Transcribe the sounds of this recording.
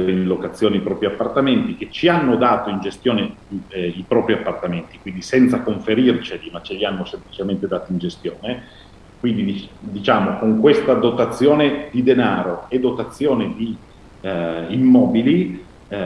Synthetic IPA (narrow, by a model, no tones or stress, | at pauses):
ɾinlokat̪sːjoːneipɾɔːpɾiapːart̪ament̪ik̟et͡ʃːianːod̪aːt̪oind͡ʒest̪joːne | ipɾɔːpɾiapːart̪ament̪ikwind̪isɛnt̪sakoɱfeɾirt͡ʃelimat͡ʃːeʎianːosemplit͡ʃement̪ed̪aːt̪oind͡ʒest̪joːne | kwind̪iid̪it͡ʃaːmokoŋkwest̪ad̪ot̪at̪sːjoːned̪id̪enaːɾoed̪ot̪at̪sːjoːned̪i | imːɔːbili